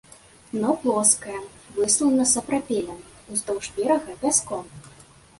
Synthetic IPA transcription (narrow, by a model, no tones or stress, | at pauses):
nɔplˠɔskɐjɐvɨsuwnɐsɐpɾapʲɛlʲɐm | uzd̪ɔwʐvʲɛɾɐɣɐbʲaskɔm